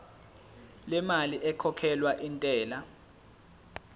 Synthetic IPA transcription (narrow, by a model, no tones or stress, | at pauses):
lɛmaliʔɛkʰɔkʰɛlwaʔintʼɛːla